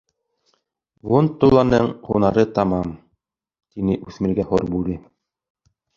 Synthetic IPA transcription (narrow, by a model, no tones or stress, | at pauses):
vont̪ːulːˠɑnɤɴqunɑɾɤt̪ɑmɑm | t̪inɘʔʉθmɘ̆ɾɡæhoɾbuɾɘ